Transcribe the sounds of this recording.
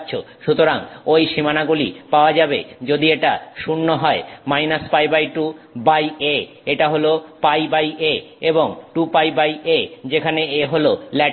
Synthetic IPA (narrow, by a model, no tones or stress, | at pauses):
ɕʰo | ʃut̪oɾaŋojʃimanaɡulḭpaoad͡ʑabḛd͡ʑod̪ieʈaʃunːoɦɔemajnaspajbajʈubaje | eʈaɦolopajbajʔeeboŋʈupajbajʔed͡ʑekʰaneeɦololɛ